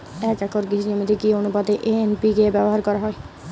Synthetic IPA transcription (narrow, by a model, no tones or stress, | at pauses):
ɛkɛkɔɾɡisnomit̪ikionupat̪eʔeenpikebɛbɔɦaɾkɔɾaɦɔe